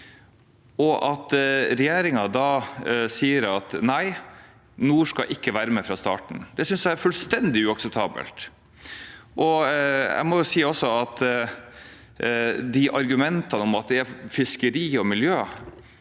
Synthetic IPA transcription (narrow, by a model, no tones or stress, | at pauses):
ɔʔɑt̪ɾɛjeːɾɪŋɑd̪ɑːsiːəɾɑt̪næɪ | nuːʂkɑʔɪkːəʋæːɾəmɛfɾɑst̪ɑ̰ːʈɳ̩d̪ɛsʏnsæɪɾfʉlst̪ɛnd̪ɪʉɑksəp̚t̪ʰɑːbə̰lt̪ | ʔɔɛ̰ɪmɔjʊsiːɔsːɔɑt̪ | d̪ɪʔɑɾɡʉmɛnt̪ɑnəɔmɑt̪̚d̪ɛæfɪskəɾiːɔmɪljøː